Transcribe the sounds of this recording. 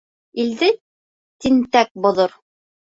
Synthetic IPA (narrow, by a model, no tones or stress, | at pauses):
ild̪ɘ | t̪int̪æk̚bŏðoɾ